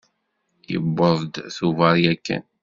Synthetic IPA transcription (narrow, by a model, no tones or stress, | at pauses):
jə̰bːəðˤd̪θuvɑɾˤjækːə̰n